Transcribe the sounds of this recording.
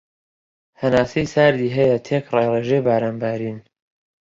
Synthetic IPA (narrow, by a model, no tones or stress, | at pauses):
hɐnaːsejsaːɾd̪iːɦɐjɐt̪ʰeːkrɑjreːʒejbaːɾaːnbaːɾiːn